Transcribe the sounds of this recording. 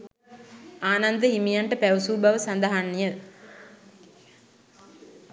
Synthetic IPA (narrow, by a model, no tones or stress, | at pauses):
aːnɐnd̪ɐɦimijɐɳʈɐpɛʋusuːbɐʋɐsɐnd̪ɐɦanːijɐ